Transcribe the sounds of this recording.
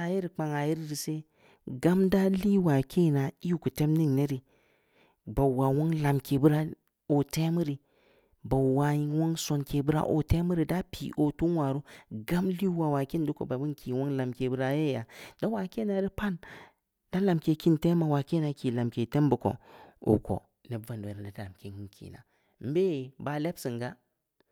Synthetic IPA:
a˨ji˦ɾi˨k͡pa˨ŋa˨ji˦ɾi˦ɾi˨se˦ | ɡa˦mda˦li˦wa˨kʰe˦˨na˨i˦u˦ku˨te˦mni˦ŋne˦ɾi˨ | ba˨wa˨wo˦ŋla˨mke˨bu˦ɾa˦ | o˨te˦mi˦ɾi˨ | ba˨wa˨ji˨˦wo˦ŋso˨nke˨bu˦ɾa̰˦ʔo̰˨te˦mɨ˦ɾi˨da˦pʰḭ˨ʔo˨tu˦nwa˨ɾu˦ɡa˦mli˦wa˨wa˨ki˦n˦du˦ko̰˨ba˨bu˦nkʰi˨wo˦ŋla˨mke˨bu˦ɾa˦je˦ja˨da˦wa˨ke˦na˨˦ɾi˦pa˦n | d̥a˦la˨mke˨ki˦nte˦ma˨wa˨ke˦na˨ki˨la˨mke˨te˦m˦bu˨ko̰˨ṵ˨ko̰˨ | ne˨˦va˨n˨e˨ɾa˨da˦a˨mke˨ki˦kʰḭ˨na̰˨ | m̩˦be˦˨ba˨le˦bsi˨ŋɡa˦

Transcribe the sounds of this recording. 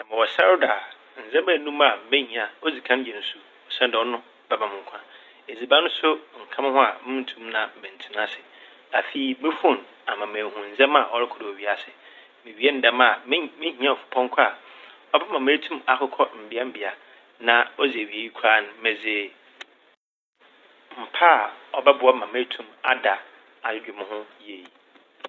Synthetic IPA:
nã˨mɪ̃˨wɔ˨sa˦ɾda˨ | n̩˨zɛ̃˦mã˦˨nũ˦ma˨mɛ̃˦ɲĩ˨a˨ɔ˦d͡zi˨kʰã˦n˦jɛ˨n̩˨˦su˦ | ɔ˨sã˦ndɛ˨ɔ˦nʊ̃˦ | b̥ɛ˨bã˨mʊ̃˨ŋ̩˨kʷʰã˨ | e˨d͡zi˨bã˦nʊ̃˦sʊ˦ŋ̩˨kʰã˦m˦hʊ̃˦a̰˨mɪ̃˦n̩˦tʰũ˦mnã˨m̩˨mɛ̃˨n̩˨tʰi˦nã˦sɪ˨ | a˨fi˦i˨˦mɪ˦fʊ̃˦˨n | a˨mã˨mẽː˨hũ˨n̩˨zɛ̃˦ma˨ʔɔ˦ɾɪ˦kʰʊ˨dɪ˨ɔ˨ɥi˦a˦˨sɪ˨ | mɪ̃˨ɥi˨˦e˦n̩˦dɛ˦ma˨˦mɪ̃˦hĩ˦ã˦ɔ˨fʊ̥˨pʰɔ̃˦ŋ˦kʰa˨ | ɔ˦bɛ˦mã˨me˦tʰũ˦ma˨kʰʊ˦kʰɔ˦m̩˨bɪ˦a˦m̩˦˨bɪ˨a˨ | nã˨ɔ˦d͡ze˨ɥi˨e˦ji˦kʰaː˦ñ˨mɛ̃˨d͡zɪ˨ | m̩˨pʰa˦˨ɔ˨bɛ˦bʊ˨a˦mã˨me˦tʰũ˨ma˦da˨ | a˨˦d͡ʑᶣɪ˨m˨hʊ̃˦je˨

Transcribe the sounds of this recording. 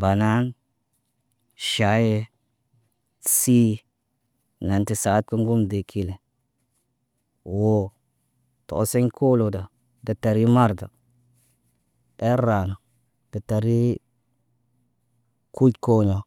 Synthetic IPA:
ba˨na˦n | ʃa˨˦je˦ | si˦ | na˨nti˨sa˨˦t̚ku˦ŋɡu˦mde˨kʰi˨le˨ | wo˨ | to̰˨˦se˦ɲkʰo˦lo˨da˨ | da˨ta˨ɾi˦ma˦ɾda˨ | e˦ɾa˨na˨ | d̥a˨ta˨ɾi˦ | ku˦tko˦ɲo˨

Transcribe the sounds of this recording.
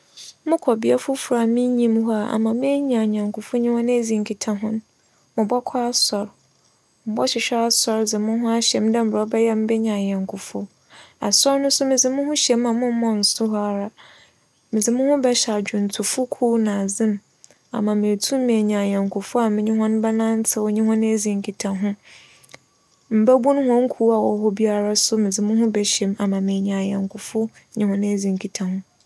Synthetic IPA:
mʊ̃˦kʰɔ˨bi˦a˦fʊ˦fʊ˨ɾa˨mɪ̃˦ɲĩ˦mɦɔ˦a˦˨a̰˨mã˨mɪ̃˦e˦ɲã˨ɲã˨ŋkʰʊ˨fʊ˦ɲĩ˦hɔ̃˦ñ˦e˦d͡zĩ˨ŋ˨kʰi˨tʰã˦ɦʊ̃˦n˦ | mʊ̃˨bɔ˦kʰɔ˦a˦sɔ˨ɾ | m̩˨bɔ˦ɕɪ˨ɕᶣɛ˦a˦sɔ˨ɾd͡zɪ˨mʊ̃˦ɦʊ̃˦a˦ɕɛ˨m˦dɛ̃˦m̩˨bɾɔ˨˦bɛ˦jɛ˦m̩˦bɛ˦ɲã˨ɲã˨ŋkʰʊ˨fʊ˦ | a̰˨sɔ˦ɾnʊ̃˦sʊ˦mɪ̃˨d͡zɪ˨mʊ̃˦hʊ̃˦ɕɛ˨m˦ã˨˦mʊ̃˦m˦mɔ̃˦n̩˨sʊ˦ɦɔ˦a˨ɾa˨ | mɪ̃˨d͡zɪ˨mʊ̃˦hʊ̃˦bɛ˦ɕa˨d͡ʑᶣʊ˨n̩˨tʰʊ˨fʊ˦kʰuː˦nã˨zɪ̃˦m | a̰˨mã˨mẽ˨tʰũ˦me˨ɲã˨ɲã˨ŋkʰʊ˨fʊ˦a˨mɪ̃˦ɲɪ̃˦ɦɔ̃˦ñ˦bɛ˦nã˦n˦t͡sʰɛ˦wɔ˦ɲĩ˦hɔ̃˦n˦e˦d͡zĩ˨ŋ˨kʰi˨tʰã˨ɦʊ̃˦ | m̩˨˦bɛ˦bũ˦n˦hɔ̃˦ŋ˦kʰuː˦a˨wɔ˨˦ɦɔ˦bi˦a˦ɾa˦sʊ˦mɪ̃˨d͡zɪ˨mʊ̃˦ɦʊ̃˦bɛ˨ɕɛ˨m˦a˨mã˨mẽ˨ɲã˨jɛ̃˨ŋkʰʊ˨fʊ˦ | ɲĩ˦hɔ̃˦n˦e˦d͡zĩ˨ŋ˨kʰi˨tʰã˨hʊ̃˦

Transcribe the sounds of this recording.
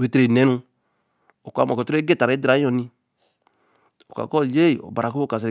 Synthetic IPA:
we˨tɾe˨nɛ˨˦nũ˧ | o˨kʷa˨˦mɔ˨kɔ˨tɾɡe˦˨ta˨ɾe˨˦dɾa˨˦ɔ˧nĩ˧ | o˨ka̰˨kɔ˦˨d͡ʒe˦i˨ɔ̰˨ba˨ɾa˨ku˦o˦ka˨s̬

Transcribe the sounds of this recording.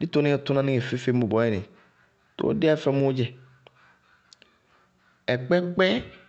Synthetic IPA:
di˦t̪o˦nẽ˦ɛ˦t̪ʊ˦nã˦nĩ˦ŋe˨fe˦fe˦mõ˨bɔ˨˦ɛ˦˨nḛ̃˨ | to̰˦o̰˦de˦a˦fɛ˦mũ˦o˦d͡ʒɛ˦ | ɛ˨k͡pɛ˦k͡pɛ˦

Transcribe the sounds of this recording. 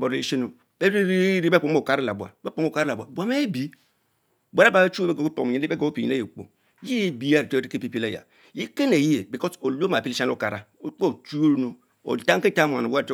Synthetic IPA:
bo˨ɾi˦ʃe˦no˨ | be˦ɾi˦ɾi˦ɾi˦be˦po˨˦o˦˨ka˦ɾa˦la˨bu˨a̰˨be˦po˦˨ka˦ɾa˦la˨ba˨bu˨a˨˦me˦bi˨˦ | bʷa˦ɾa˦ba˨˦e˦t͡ʃu˦be˦ɡo˨ku˦po̰˨˦i˦be˦ɡo˨˦o˦pi˨ḭ˨e˦je˨k͡po̰˨ | ji˦e˦bi˦a˦˨ɾi˦ki˦pi˦pi˦la˦˨ja̰˨ | ji˦ke˦ne˨ji˦je˨bi˨kɔ˦so˨lo˦ma˨pi˦li˦ʃa˦no˦˨ka˨ɾa˨o˨k͡po˦˨t͡ʃu˦o˦ɾno˨ | o̰˨ta˦ŋ˦ke˦ta˦m˨a̰˨no˨wa˦˨t

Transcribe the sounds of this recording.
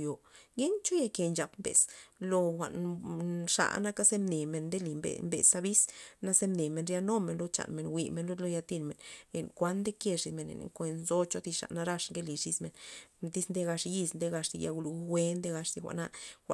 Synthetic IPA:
jo˨ɡe˦nt͡ʃo˦ja˧ke˧nt͡ʃa˨pmbḛ˨slo˧xʷa̰˨ʔn | ʂa̰˧˨na˦ka˦se˦mne˨me˨nd̪e˦li˨mbḛ˨mbḛ˨sa˧bi˦sna˦ze˦mne˨me˨nɾja˧no˦me˨nlo˧t͡ʃa̰˨nme˨nwi˨me˨nlo˦d̪lo˧˦ja˧t̪i˧nme˨ne˨nkʷa˦nd̪e˦kje˧ʂi˧˨me˨nḛ˨n̰˨ŋkʷe˧nzo˦t͡ʃo˧˦t̪i˧ʂa̰˨ʔna˧ɾa˧ʂŋɡe˦li˨ʂi˧sme˨nd̪i˦snd̪e˦ɡa˧ʂji˧snd̪e˧ɡa˧ʂt̪i˧ja̰˧ɡu˧lu˧˦wʷe˦nd̪e˦ɡa˧ʂt̪i˧xʷa̰˨ʔna˧xʷa̰˧˨

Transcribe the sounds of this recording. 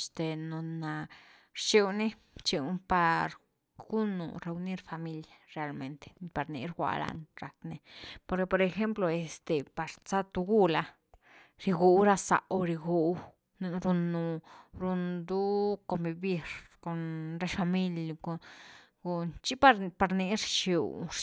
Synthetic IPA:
st̪e˨no˨na˨ | ɾt͡ʃi˦wni˦ | t͡ʃi˧˦pa˧ɾ | ɡ̥u˦nṵ˨ɾe˧u˧ni˦ɾfa˨mi˧ljaɾe˧a˨lme˧nt̪e̥˨pa˨ɾnḭ˧ɾɡʷa̰˨ɾa̰˧nɾa˨kne˧po˧ɾke˧po˧ɾe˧xe˦mplo˧e˨st̪e˨pa˨ɾt͡sa˦t̪u˧ɡu˦la˧ | ɾi˧ɡu˧wɾa˦sa̰˨ʔo˧ɾi˧ɡu˨˧w | n˧ɾu˧nːu˨˧ɾu˧nd̪u˦ko˧mbi˧bi˦ɾko˨nɾe˦ʃfa˧mi˦lko˨ | ɡu˧nt͡ʃi˦pa˦ɾpa˧ɾni˧ɾt͡ʃi˧w

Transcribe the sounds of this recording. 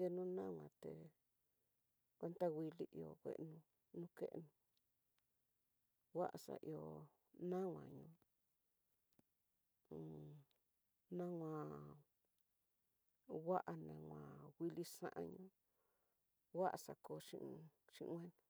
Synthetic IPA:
e˧nũ˦nã˦wʷã˨t̪e˨ | kʷe˦nt̪a˦wi˧li˦ʔi˧o˧˨kʷḛ˨ʔnũ˧ | nũ˦ke˦ʔnũ˧˨ | wa˦ʔa˨sa̰˨ʔi˧o˨ | nã˦ŋã̰˨ɲũ˧˦˨ | nã˦wʷã˧˨ | wa˦ʔa˧nã˧wʷã˨wi˧li˧sã̰˦ʔã˧ɲũ˦ | wa˦ʔa˨sa˨ko˨˧ʃḭ̃˧ʔʃĩ˧wʷẽ˦nũ˧

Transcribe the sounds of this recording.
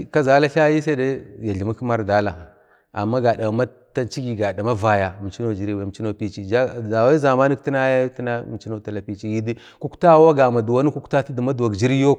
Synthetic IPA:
ka˦za˨˦la˦ɬa˦ji˦s̬a˦da˦ja˨ɮi˨ma˦kma˦ɾda˦la˨ | a̰˨mːa˦ɡa˨da˨ma˦ | ta˦nt͡ʃi˦ɡi˨ɡa˨da˨ma˦va˨ja˨mi˨t͡ʃi˦no˦d͡ʒi˨ɾi˦wa˨t͡ʃi˦no˦pi˦t͡ʃi˦d͡ʒa˦a˨wa˦za˨ma˦ni˦kti˦na˦ja˦ti˦na˦m˨˦t͡ʃi˦no˦ta˨la˨pi˦t͡ʃi˦ji˦di˦ | ku˦kta˦wa˦ɡa˨ma˨du˨wa˦ni˦ku˦kta˦ti˦di˨ma˦du˨wa˨ɡd͡ʒi˦ɾi˦jo˦

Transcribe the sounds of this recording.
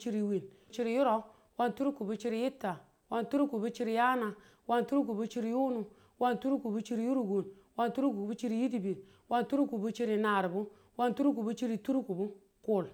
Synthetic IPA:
t͡ʃi˦ɾi˨wi˨n | t͡ʃi˦ɾi˨ju˦ɾo˦ | wa˦ntu˦ɾu˦ku˨bu˦t͡ʃi˦ɾi˦ji˦tːa˨ | wa˦ntu˦ɾu˦ku˨bu˦t͡ʃi˦ɾi˨ja˦na˨ | wa˦ntu˦ɾu˦k̬u˨bu˦t͡ʃi˦ɾi˨ju˦nu˨ | wa˦ntu˦ɾu˦ku˨bu˦t͡ʃi˦ɾi˨˦ju˦ɾu˨ɡu˨n | wa˦ntu˦ɾu˦ku˨bu˦t͡ʃi˦ɾi˦ji˦t̬i˨bi˨n | wa˦ntu˦ɾu˦ku˨bu˦t͡ʃi˦ɾi˨na˨ɾbu˦ | wa˦ntu˦ɾu˦k̬u˨bu˦t͡ʃi˦ɾi˨tu˦ɾu˦ku˨bu˦ | ku˦˨l

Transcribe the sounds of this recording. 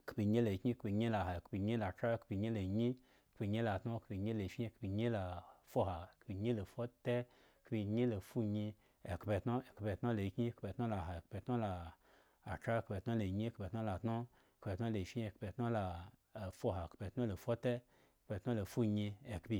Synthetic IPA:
kpi˧ɲe˦la˨˦kɲi˦kbi˧ɲe˦la˨ha˨kpi˧ɲe˦la˨tɾa˦˧kpi˧ɲe˦la˨ɲi˦ | kpi˧ɲe˦la˨tno˦˧kpi˧ɲe˦le˨fʲi˦˧˦kpi˧ɲe˦la˨fo˦ɦa˨kpi˧ɲe˦lo˨fo˦te˦ | kpi˧ɲe˦lo˨fu˦ɲi˧ | e˨kpe˧tno˦e˨kpe˧tno˦lo˨i˧˦kɲi˦˧kpe˧tno˦la˨ɦa˨kpe˧tno˦laː˨ | t͡ʃɾa˦˧kpe˧˨tno˦lo˨ɲi˦kpe˨tno˦la˨tno˦ | kpe˧˨tno˦le˨fi˦˧kpe˧tno˦la˨fo˦ɦa˨kpe˧tno˦lo˨fo˦te˦ | kpe˧tno˦lo˨fu˦ɲi˧e˨kpi˧

